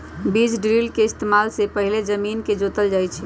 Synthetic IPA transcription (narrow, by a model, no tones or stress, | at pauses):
bid͡ʒɖɾilkeɪst̪emalsepəɦiled͡ʒəminked͡ʒot̪əld͡ʒaːjt͡ʃʰɛ